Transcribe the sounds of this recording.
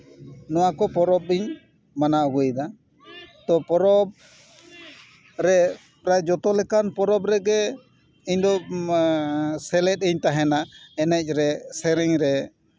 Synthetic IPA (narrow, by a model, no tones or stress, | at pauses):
nɔwakɔpɔɾɔb̚iɲ | manaɔɡɔjd̪a | t̪ɔpɔɾɔb̚ | ɾɛ | pɾajd͡ʒɔt̪ɔlɛkanpɔɾɔbɾɛɡɛ | iɲd̪ɔ | sɛlɛt̪̚iɲt̪aɦɛnaɛnɛc̚ˀɾɛsɛɾɛŋɾɛ